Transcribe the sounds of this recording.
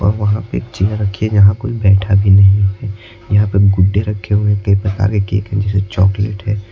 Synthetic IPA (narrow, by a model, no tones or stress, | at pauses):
ɔ̰ːɾʋɐɦãpekt͡ʃiːaɾɐkʰiɛd͡ʒɐɦãkoːibɛːʈʰabʱinɐɦĩɛː | jɐɦãpeɡʊɖːeɾɐkʰːeɦũẽkɐipɾɐka̰ːɾkekḛːkɦɛ̃d͡ʒɛːset͡ʃɔːkleʈɦɛː